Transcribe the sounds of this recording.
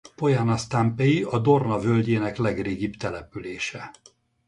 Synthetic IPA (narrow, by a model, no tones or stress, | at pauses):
po̞janɒst̪ampejiɒd̪o̞rnɒvølɟeːnɛklɛɡreːɡibt̪ɛlɛpyleːʃɛ